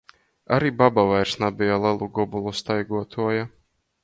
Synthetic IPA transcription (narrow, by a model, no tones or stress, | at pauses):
aɾiːbabavajɾsnabijalˠɛlˠuɡɔbulˠust̪ajɡuɔt̪ʰuɔja